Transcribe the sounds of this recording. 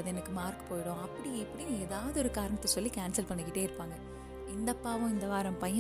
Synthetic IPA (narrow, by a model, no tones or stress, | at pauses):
ɐðɛnɐkːɯmaːɾkɯ̥poːjɪɽõɐpːɐɽiɪpːɐɽijeːðaːʋɐðɯɔɾɯkaːɾɐɳɐt̪ːɐsɔlːikaːnsɐlpɐɳːɯkɪʈːeːɪɾɯpːaːŋɡɐ | ɪnd̪ɐpːaːʋʊ̃ɪnd̪ɐʋaːɾɐmpɐjɐ